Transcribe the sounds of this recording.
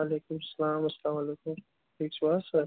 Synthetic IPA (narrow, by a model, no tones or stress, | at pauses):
aːleːkʊmɐsɐlaːmɐslaːmɐleːkʊm | ʈʰiːkswaːsɐ